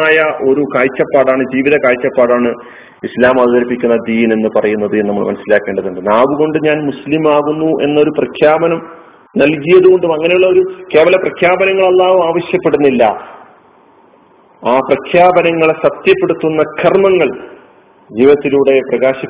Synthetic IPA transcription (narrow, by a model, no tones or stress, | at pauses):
aːjɐʔo̞ɾukaːlt͡ɕːɐpːaːɽaːɳɨd͡ʑiːʋiðɐkaːlt͡ɕːɐpːaːɽaːɳɨ | islaːmɐðuðɐɾipːikʲːunːɐd̪iːne̞nːɨpɐrɐjunːɐðɨnɐmːɐɭmɐnɐsːilaːkːeːɳɖɐðuɳɖɨnaːʋuɣo̞ɳɖɨɲaːnmuslimaːɣunːuʔe̞nːɐo̞ɾuprɐkʰjaːbɐnɐm | nɐlkijɐðuɣo̞ɳɖumɐŋːɐne̞juɭːɐo̞ɾuke̞ːʋɐlɐprɐkʰjaːbɐnɐŋːɐɭɐlˠːaːʋumaːʋɐɕjɐpːe̞ɽunːilːɐ̰ | aːprɐkʰjaːbɐnɐŋːɐɭsɐt̪jɐpːe̞ɽut̪ːunːɐkʰɐrmɐŋːɐɭ | d͡ʑiːʋɐt̪ːiluɽe̞prɐɣaːɕi